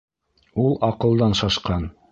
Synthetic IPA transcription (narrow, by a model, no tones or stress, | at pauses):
ulˠɑqɤ̆lˠd̪ɑnʃɑʃqɑn